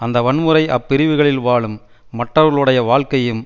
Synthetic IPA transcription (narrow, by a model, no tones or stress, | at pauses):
ɐnd̪ɐʋɐɳmɯɾɐɪʔɐpːɪɾɪʋɯɣɐɭɪlʋaːɭɯmː | ɐʈrɐʋɐɣɐɭɯɽɐjɐʋaːɭkɐjɯm